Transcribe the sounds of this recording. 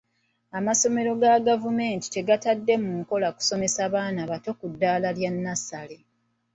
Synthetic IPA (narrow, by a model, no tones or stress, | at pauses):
amaso̞me̞ɾo̞ɡaɡavume̞ːnti̥te̞ɡatadːe̞muŋko̞laku̥so̞me̞saβaːnaβato̞kudːaːlaljanːasale̞